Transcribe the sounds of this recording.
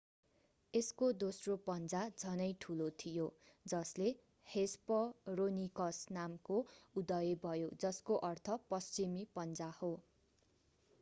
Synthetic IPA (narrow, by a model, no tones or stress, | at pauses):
eskod̪osropʌnd͡zad͡zʱʌnʌjʈʰulot̪ʰijo | d͡zʌsle | hespʌronikʌsnamkoud̪ʌjebʱʌjod͡zʌskoʔʌrt̪ʰʌpʌst͡simipʌnd͡zaho